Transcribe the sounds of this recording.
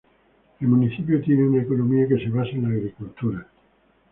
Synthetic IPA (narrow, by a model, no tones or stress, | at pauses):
elmuniθip̬jot̪jeneunaekonomiakeseβasenaɣɾikult̪uɾa